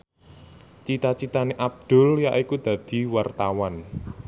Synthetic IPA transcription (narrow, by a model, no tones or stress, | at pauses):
t͡ʃit̪at͡ʃit̪aneʔab̚d̪̥ʊ̤ljaʔikud̪̥a̤d̪̥i̤wart̪awan